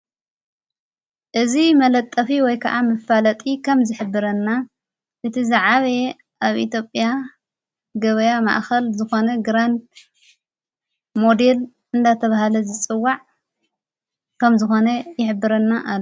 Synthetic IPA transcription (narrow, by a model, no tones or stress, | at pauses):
ʔɨzimɐlɐt̪ʼːɐfiwɔjkʰɐ̰ʔamɨfalɐt̪ʼikʰɐmzɨħɨbːɨɾɐnːa | ʔɨt̪ʰizaʕaβe | ʔaβʔḭt̪jo̞pʼja | ɡɐβɐjama̰ʔxɐlzɨxo̞nɐɡɾand̪̚ | mo̞d̪e̞l | ʔɨnd̪at̪ʰɐβahlɐzɨt͡sʼɨwːaʕ | kʰɐmzɨxo̞nɐjɪħɨbːɨɾɐnːaʔal